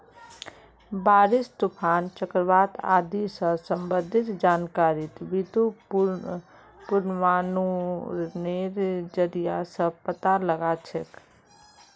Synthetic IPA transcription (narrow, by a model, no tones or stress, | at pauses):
baːɾɪst̪upʰaːnt͡ʃəkɾbaːt̪a̰ːd̪isə̃sə̃mbəd̪ʱɪt̪d͡ʒaːnkaːɾɪt̪bit̪u | pʊɾnʋaːnu | neɾd͡ʒəɾijasə̃pət̪aləɡat͡ʃʰek